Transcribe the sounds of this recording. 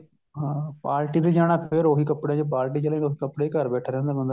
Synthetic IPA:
ɦãpaːlʈiːd̪iːd͡ʒaːɽ̃aːpʰɪɾoːɦiːkəpɽẽːd͡ʒep̬aːlʈ̬iːt͡ʃəlẽoːɦiːkəpɽeːikəɾbɛːʈʰaːɾɛ̃ːnd̪aːbənd̪a

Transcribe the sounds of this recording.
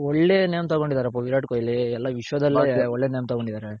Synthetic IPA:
ɔɭːenejɐmt̪ɐkoɳɖid̪aːɾeɐpːoʋiɾaːʈkojɐlːiɛlːaːʋiʂɐʋɐd̪ɐlːiɔɭːenejɐmt̪ɐkoɳɖid̪aːɾe

